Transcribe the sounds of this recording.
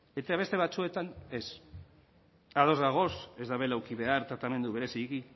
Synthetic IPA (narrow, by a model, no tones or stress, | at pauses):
et̪eaβe̞st̪e̞β̞at͡sue̞t̪ane̞s | að̞o̞zɣaɣ̞o̞se̞zðaβe̞lawkiβe̞aɾt̪ɾat̪ame̞nd̪uβe̞ɾe̞siɣi